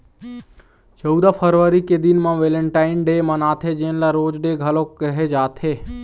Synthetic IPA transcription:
t͡ʃəwd̪apʰəɾʋəɾiked̪inmãʋeləɳʈainɖemãnaːt̪ʰed͡ʒẽlaɾoːd͡ʒɖeɡʱəlokəɦed͡ʒaːt̪ʰe

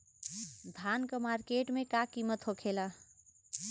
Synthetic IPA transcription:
d̪ʱankəmaɾkeʈmekakimət̪ɦokʰela

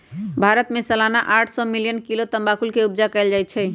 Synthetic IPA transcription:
bʱaɾət̪mesəlanaʔaʈʰsɔmilijənkilot̪əmbakulkeubd͡ʒakɛɪld͡ʒaj̪t͡ʃʰɛ

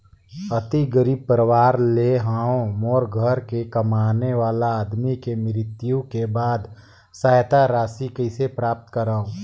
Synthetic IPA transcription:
ət̪iɡəɾiːb̚pəɾəwaːɾleɦaːõmɔːɾɡʱəɾkekəmaːneʋaːlaːd̪mikemɪɾɪt̪jũkebaːd̪ | saːjt̪aɾaːsikəɪsepɾaːp̚t̪kəɾaːõ

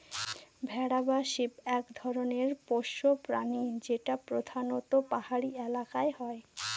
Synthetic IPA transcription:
bʱɛɽabaʃipɛkd̪ʱɔɾoneɾpoʃːopɾa̰nid͡ʑeʈapɾod̪ʱanot̪opahaɽielakaeɦɔe

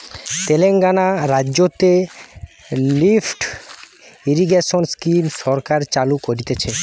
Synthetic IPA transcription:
t̪eleŋɡanaɾadːʑot̪e | lifʈ | iɾiɡeʃonskimʃɔɾkaɾt͡ɕalukoɾit̪et͡ɕʰe

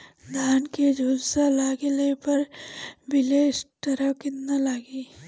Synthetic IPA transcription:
d̪ʱaːnked͡ʒʱuːdsalaːɡelepɐɾbɪleːsʈəɾəkɪtnalaːɡi

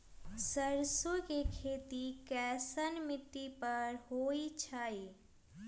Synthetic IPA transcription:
səɾsokekʰeːt̪ikɛsənmɪt̪ːipəɾɦoit͡ʃʰai

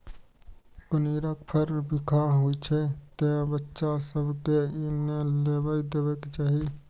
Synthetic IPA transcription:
pʊniːɾəkpʰəɾbɪkʰaɦuit͡ʃʰɛt̪ẽbətːʃasəbkeineleːbəid̪eːwekt͡ʃaːɦi

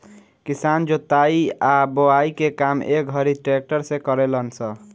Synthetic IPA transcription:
kisand͡ʒot̪ːaiaboaikekamḛk̚ɡʱʌɾiʈɾek̚ʈəɾsẽkəɾelənsə

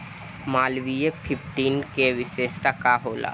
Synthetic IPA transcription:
maːlʋijepʰɪpʰʈiːnkeʋɪʃeːʃt̪akaɦoːla̰ː

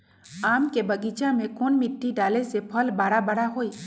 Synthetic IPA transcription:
aːmkebəɡit͡ʃãmẽkonmɪʈːiɖaːlesepʰəlbaːɽabəɽaɦoːiː

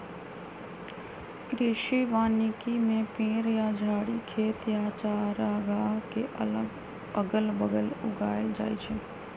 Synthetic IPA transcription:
ɾɪʃiʋaːnikimẽpẽːɾjad͡ʒʱaːɽikʰeːt̪jat͡ʃaːɾaɡaɦkeʔə | əɡəlbəɡəlʊ̰ɡaːjd͡ʒa̰ːjt͡ʃʰe

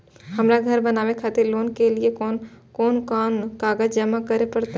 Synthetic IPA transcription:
ɦɐmɾaɡʱɐɾbɐnaːʋekʰaːt̪eɾloːnkeliekɔːnkɔːnkaːnkaːɡəd͡ʒd͡ʒəmakɐɾepɐɾt̪e

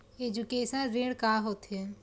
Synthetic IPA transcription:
ed͡ʒukeːsənɾeɽkaːɦot̪ɦẽ

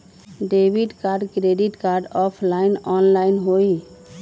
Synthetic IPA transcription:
ɖebʱiɖkaɾɖkɾeɖiʈkaɾɖɔpʰlainɔnlainɦoj

